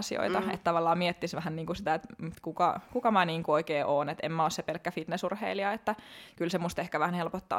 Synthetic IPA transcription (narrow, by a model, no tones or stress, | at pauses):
sio̰it̪ɑḛt̪t̪ɑʋɑlːɑːmiet̪ːisʋæhænniːŋkusit̪æet̪mut̪kukɑkukɑmæniːŋkuoikeːʔoːnet̪ḛmːæossepelkːæfit̪nesurhḛiliɑet̪ːækylsemust̪ehkæʋæhænhelpot̪ːɑ̰ː